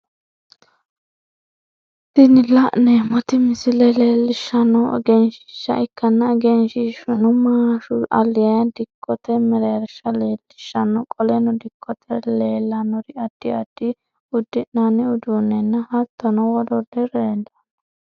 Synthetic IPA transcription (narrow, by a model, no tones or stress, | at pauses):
t̪ɪnɪlɐʔnɛmɔt̪ɪmɪsɪlɛleːlːɪʃːɐnːɔ̰ɡɛnʃɪ̥ʃɐ̰ɪkːɐnːɐɡɛnʃɪʃʊnʊmaːʃʊɐ̰lːɪjɐjɐd̪ɪkʰːɔt̪ɛmɛɾeːɾʃɐleːlːɪʃːɐnːɔkʼɔlɛnʊd̪ɪkʰːɔt̪ʰɛleːlːɐnɔɾɪɐd̪̥ːɪɐd̪̥ːɪ | ʊd̪ːɪʔnanɪʊd̪unːɛnːɐhɐt̪ːɐnɔwɔd̪ɔd̪ɪɾeːd̪ɐ̥